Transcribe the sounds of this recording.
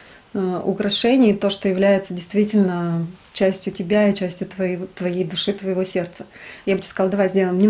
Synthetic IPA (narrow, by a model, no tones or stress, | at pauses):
ʊ̰kɾɐʂɛnʲɪjt̪o̞ʂt̪ojɪvlʲæjɪt̪sədʲɪjst̪vʲitʲɪlʲnət͡ɕæsʲtʲjʊtʲɪbʲait͡ɕæsʲtʲjʊt̪vɐt̪vɐjejd̪ʊʂɨt̪vəjɪvo̞sʲe̞rt̪səjabɨtʲe̥kəzɑlˠd̪ɐvajzʲdʲeləɪmnʲe